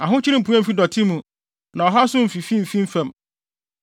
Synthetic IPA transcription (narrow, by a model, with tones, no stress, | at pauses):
a˨ɦʊ̃˦t͡ɕʰi˦ɾĩ˦m̩˨pʰu˦ɛ̃˦m̩˨fi˦dɔ˨tʰi˦mũ˨ | nã˨ɔ˨ɦa˦sʊ̃˦m̩˨fi˨fĩ˦m̩˨fĩ˦m̩˦fɛ̃˦˨m